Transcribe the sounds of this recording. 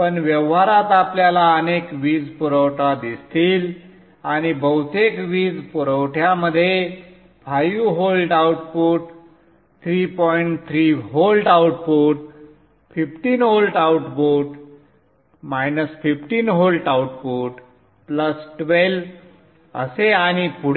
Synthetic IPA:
pəɳʋjəʋɦaɾat̪apljalaənekʋiːd͡zpuɾəwʈad̪ist̪iːl | aɽ̃ibəwt̪ekʋiːd͡zpuɾəwʈʰjaməd̪ʱːje | pʰajuɦolʈawʈpouʈ | t̪ʰɾipɔjiɳʈt̪ʰɾiɦolʈawʈpoʈ | fifʈiːnɦolʈawʈpoʈ | majnəsfifʈiːnɦolʈawʈpoʈ | pləsʈʋel | ə̰seaɽ̃ipuɽ

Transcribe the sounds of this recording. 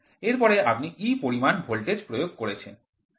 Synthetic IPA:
eɾpɔɾeapniʔipoɾimanbʱolʈed͡ʑpɾojoɡ̚koɾet͡ɕʰḛn

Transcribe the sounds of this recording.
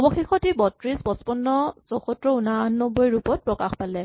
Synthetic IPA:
ɔbɔxixɔtibɔtɹisbɔspɔnːɔzɔxɔtɹɔunaannɔbɔjɹupɔt̚pɹɔkaxpalɛ

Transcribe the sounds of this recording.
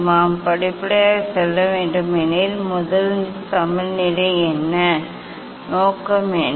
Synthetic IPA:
naːmpɐɽɪpːɪɽɐjaːsɛlːɐʋeːɳɖɯmɛnɪlmʊðɐlt̪ɐmɪlnɪɽɐɪɛnːɐ | noːkːɐmɛn

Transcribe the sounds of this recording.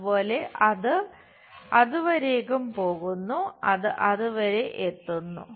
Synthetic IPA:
po̞ːle̞ɐðɨ | ɐðuʋɐɾe̞ːɣumpo̞ːɣunːuɐðɨʔɐðuʋɐɾe̞ʔet̪ːunːṵ

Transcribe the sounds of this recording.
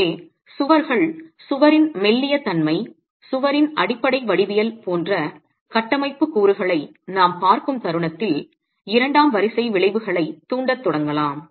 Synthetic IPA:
sʊʋɐɾɣɐɭsʊʋɐɾɪnmɛlːɪjɐt̪ɐnmɐɪ | sʊʋɐɾɪnɐɽɪpːɐɽɐɪʋɐɽɪʋɪjɐlpoːndrɐ | kɐʈːɐmɐɪpːɯkːuːɾɯɣɐɭɐɪ | naːmpaːɾkɯmt̪ɐɾɯɳɐt̪ːɪl | ɪɾɐɳɖaːmʋɐɾɪsɐɪʋɪɭɐɪʋɯɣɐɭɐɪt̪ːuːɳɖɐt̪ːɔɽɐŋɡɐlaːm

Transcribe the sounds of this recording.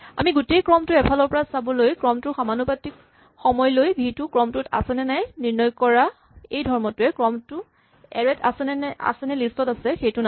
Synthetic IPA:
a̰miɡutejkɹɔmtʊɛpʰalɔɹpɔɹasabɔlojkɹɔmtʊxamanupatik | xɔmɔjlojbʱitʊkɹɔmtʊta̰sɛnɛnajniɹnɔjkɔɹa | ejdʱɔɹmɔtʊɛkɹɔmtʊ | ɛɹɛta̰sɛnɛa̰sɛnɛlistɔtasɛxejtʊna

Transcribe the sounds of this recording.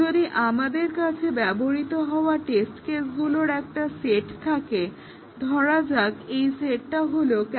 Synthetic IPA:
oɾiʔamad̪eɾkat͡ɕʰebɛboɾit̪oɦɔoaʈesʈkesɡuloɾɛk̚ʈaseʈt̪ʰake | d̪ʱɔɾad͡ʑakejseʈːaɦolok

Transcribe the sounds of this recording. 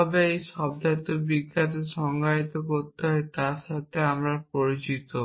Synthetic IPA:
ɔbeejʃɔbd̪ʱat̪obiɡːat̪eʃɔŋɡʱait̪okot̪ːeɦɔet̪aɾʃat̪ʰeamɾapoɾit͡ɕit̪o

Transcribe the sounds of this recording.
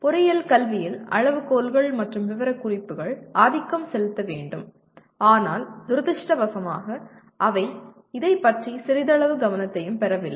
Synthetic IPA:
pʊɾɪjɐlkɐlʋɪjɪlɐ̰ɻɐʋɯkoːlɣɐɭmɐʈrɯmʋɪʋɐɾɐkːʊrɪpːɯɣɐɭaːðɪkːɐmsɛlɯt̪ːɐʋeːɳɖɯm | aːnaːld̪ʊɾðɪʂʈɐbɐsɐmaːɣɐ | ʔɐʋɐɪ | ɪðɐɪpːɐʈrisɪɾɪðɐɭɐʋɯɡɐʋɐnɐt̪ːɐjɯmpɛɾɐʋɪlːɐ

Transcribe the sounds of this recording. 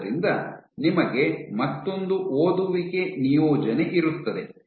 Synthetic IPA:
ɾind̪ɐ̰nimɐɡe̞mɐt̪ːo̞nd̪uʔoːd̪uʋiɡe̞nijɔːd͡ʒɐneʔiɾut̪ːɐd̪e̞̰

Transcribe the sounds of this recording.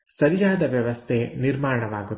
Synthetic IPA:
sɐɾijaːd̪ɐʋjɐʋɐst̪ʰeniɾmaːɾɐɳɐʋaːɡut̪ː

